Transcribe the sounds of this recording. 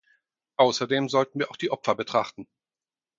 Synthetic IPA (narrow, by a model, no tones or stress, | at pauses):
ʔaʊsɐdeːmzɔltn̩viːɐaʊxd̥iːʔɔpfɐbətʁ̥aχtn̩